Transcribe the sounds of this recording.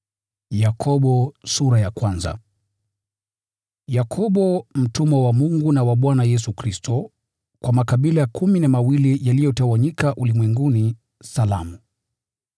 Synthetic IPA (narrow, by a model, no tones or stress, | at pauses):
jakʰɔɓɔsuɾajakwanza̰ | jakʰɔɓɔm̩tumɔwamuŋɡunawaɓwanajɛs̬ukɾistɔ | kwamakaɓilajakʰuminamawilijalijɔtawaɲikaʔulimwɛŋɡuni | sala̰mu